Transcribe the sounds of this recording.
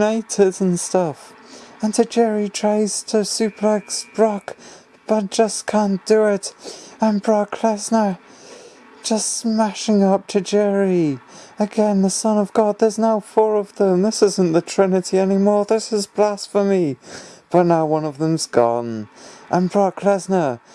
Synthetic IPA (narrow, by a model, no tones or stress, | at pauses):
neɪtɪz̃nstʌfə̃ntʰɨd͡ʒɛɹitʰɹ̥eɪz̥tʰɨsʉpʰlɛksb̥ɹɑk | b̥ʌt̚d̥ʒ̥ʌskʰæ̃nd̥ɨɪtə̃mbɹɑkʰl̥ɛsnə | d̥ʒ̥ʌstmæʃɪ̃ŋʌp̚tʰɨd͡ʒɛɹiɨɡɛ̃nðəsʌ̃nʌvɡɑd̪̚ðə˞znaʊfɔɹʌvðə̃mðɪsɪzn̩ðɨtʰɹ̥ɪnɨɾiɛnimɔɹðɪsɨzblæsfə˞mib̥ʌtⁿnaʊwʌ̃nʌvðə̃mzɡɔ̰̃nʔə̃nbɹɑkʰl̥ɛznə˞